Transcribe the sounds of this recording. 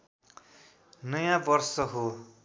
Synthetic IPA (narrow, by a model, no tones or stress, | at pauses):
nʌjãbʌrsʌɦo